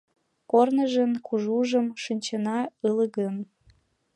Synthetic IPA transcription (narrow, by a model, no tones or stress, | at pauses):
kornəʒə̆nkuʒuʒə̆mʃɨnʲt͡ɕənɑələɣəm